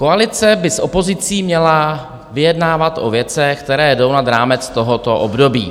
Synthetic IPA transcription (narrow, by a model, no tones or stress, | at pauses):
koalɪt͡sɛbɪsʔo̞po̞zɪt͡siːmɲɛla | vɪjɛdnaːvat̪ʔo̞̰vjɛt͡sɛxkt̪ɛɾɛːdo̞wnad̪ɾaːmɛt͡st̪o̞ɦot̪o̞ʔobdo̞bḭː